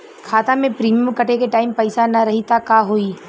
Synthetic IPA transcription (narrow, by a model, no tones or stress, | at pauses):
kʰaːt̪amẽpɾiːmjəmkɐʈekeʈaːɪmpɐɪsanɐɾɐɦit̪akaɦoːiː